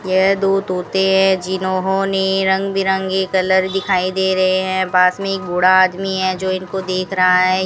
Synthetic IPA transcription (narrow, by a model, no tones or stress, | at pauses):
jɛɦd̪oːd̪ɦoːt̪eɦɛ̃d͡ʒinoːɦõneɾɐ̃ŋɡbʱiɾɐ̃ŋɡekɐləɾd̪ɪkʰaːid̪eːɾɐɦeɦɛ̃baːsmẽeːk̚boːɽaaːd̪miɦɛd͡ʒoːɪnkod̪eːkʰɾɐɦaɦɛ